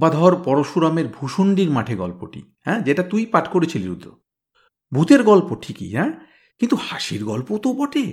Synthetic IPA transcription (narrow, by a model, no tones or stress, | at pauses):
bad̪ʱɔɾpɔɾoʃuɾameɾbʱuʃoɳɖiɾmaʈʰeɡɔ̰lpo̰ʈḭhɛ̃d͡ʑeʈat̪ujpaʈkoɾet͡ɕʰiliɾud̪ːɾo̰ | bʱut̪eɾɡɔlpoʈʰikḭɦɛ̃ | kint̪uhaʃiɾɡɔlpot̪obɔʈe